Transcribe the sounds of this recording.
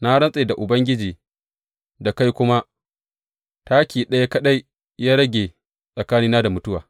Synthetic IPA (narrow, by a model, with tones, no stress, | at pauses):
na˦ɽɐ˦nsʼeː˨da˨ʔʊ˨bɐ˦ŋɡʲɪ˦d͡ʒiː˨ | da˨ka˦jkʷʊ˦ma˦ | ta˦kʲiː˨ɗɐ˦ja˦kɐ˦ɗa˦j | jaː˦ɽɐ˦ɡʲeː˨ | sʼɐ˨kaː˦niː˦naː˦da˨mʊ˦tʊ˦waː˨